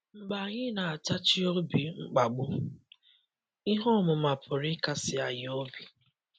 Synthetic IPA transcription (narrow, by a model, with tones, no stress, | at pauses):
ŋ͡m̩˨ɡ͡ba˨ɲɪ˦na˨a˨ta˦t͡ʃɪ˦o˦bi˨ŋ͡m̩˦k͡pa˨ɡ͡bʊ˦ | i˦ɦɔ˦˨mʊ˨ma˨pʰʊ˨ɾɪ˦ka˨sɪ˨a˨ɲɪ˦o˦bi˨